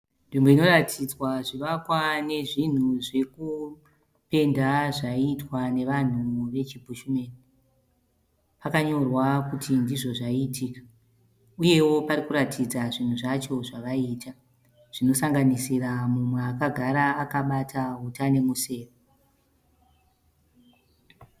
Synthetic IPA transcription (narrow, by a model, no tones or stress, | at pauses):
nʐimboino̞ratʰid͡zwaʐiʋakwane̞ʐin̤uʐe̞ku | pe̞ndaʐaitwane̞ʋan̤uʋe̞t͡ʃibʱuʃume̞ːni | pakaɲo̞rwakutʰindiʐo̞ʐaitʰiːkḁ | uje̞wo̞paɾikuɾatid͡zaʐin̤uʐat͡ʃo̞ʐaʋaiːta | ʐ̥ino̞saŋɡanisiramumweakaɡʱaɾaːkaɓatʰaɦutane̞muse̞ːro